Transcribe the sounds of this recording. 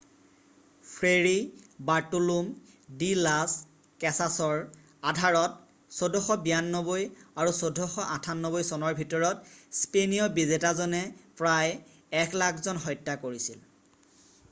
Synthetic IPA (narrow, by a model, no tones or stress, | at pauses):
pʰɹeɹibaɹtulum | dilas | kɛsasɔɹ | adʱaɹɔt̚ | sodʱɔxɔbijanːɔbojaɹusodʱɔxɔʔatʰanːɔbojsɔnɔɹbʱitɔɹɔtspenijɔbizetazɔnɛpɹaj | ɛkʰlakʰzɔnɦɔjtːakoɹisil